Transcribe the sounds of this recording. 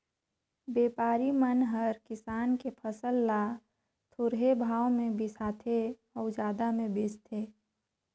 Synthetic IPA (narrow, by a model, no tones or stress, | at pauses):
beːpaːɾimənɦəɾkɪsaːnkepʰəsəlːa | t̪ʰʊɾɦebʱaːwmẽbɪsaːt̪ʰe | ɔːʊd͡ʒaːd̪amẽbeːt͡ʃt̪ʰeː